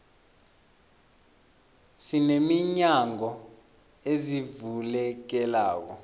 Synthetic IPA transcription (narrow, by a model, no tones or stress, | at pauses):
sinemiɲaŋɔ | ezivulɛk̬ɛla̰ːk̬ɔ